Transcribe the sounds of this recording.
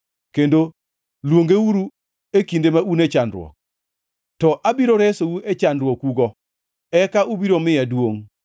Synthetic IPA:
kendo | lwoŋɡewuɾu | ekindemaunet͡ʃandɾwɔ̰k̚ | tɔʔabiɾoɾɛsowuʔet͡ʃandɾwɔkuɡɔ | ɛkaubiɾomɪjadwoŋ

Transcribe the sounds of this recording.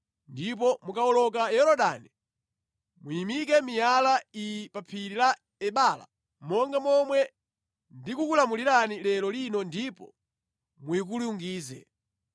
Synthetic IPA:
ndip̬ɔmukaɔlɔkajɛɾɔɗa̰ni | mujimik̬ɛmijalaipapʰiɾila | ɛɓala̰ | mɔŋɡamɔmwɛ | ndikukulamuliɾanilɛlɔlinɔndipɔ̰ | muik̬uliuŋɡiːzɛ̰

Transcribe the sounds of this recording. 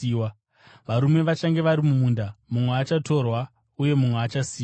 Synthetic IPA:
wa | ʋaɾume̞ʋat͡ʃaŋɡe̞ʋaɾimumundamumweat͡ʃato̞rwa | uje̞mumweat͡ʃasiː

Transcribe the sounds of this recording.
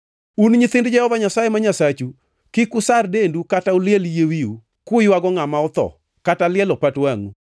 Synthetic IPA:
unɲit̪ɪndd͡ʒɛhɔvaɲasajɛmaɲasat͡ʃu | kɪkʊsardendukataʊlɪeljewiu | kʊjwaɡɔŋamaɔt̪ɔ̰ | katalɪɛlɔpatwaŋu

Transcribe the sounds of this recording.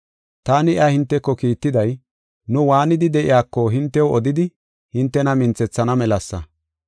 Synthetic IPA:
t̪aːnɪjʔɐhɪnt̪ːɛkːɔkiːt̪ːɪd̪ɐj | nʊwaːnɪd̪ɪd̪ɛʔɪ̰jaːkːɔɦɪnt̪ːɛwɔd̪ɪd̪ɪ | hɪnt̪ːɛnɐmɪnt͡sɛt͡sːɐnɐmɛlɐsːɐ̰

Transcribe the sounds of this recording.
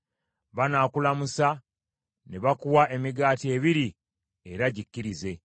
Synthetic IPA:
βanaːkulamusa | neβakuwaʔe̞miɡaːtie̞ːβiɾi | e̞ɾaɟikːiɾize̞

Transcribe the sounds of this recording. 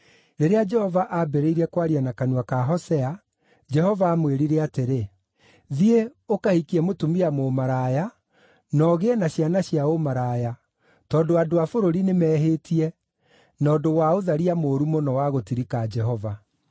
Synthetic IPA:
ɾeɾead͡ʒɛhɔvaʔabɛɾeiɾɛkwaɾianakanuakaɦɔsɛa | d͡ʒɛhɔvaːmweɾiɾeateɾe | ðieokahikiɛmotumiamomaɾaja | nɔɣeɛnaɕianaɕjaomaɾaːja | tɔːndoadoafoɾoɾinemɛːɦetiɛ | nɔːdowaoðaɾiamoːɾumonɔwaɣotiɾikad͡ʒɛɦɔva

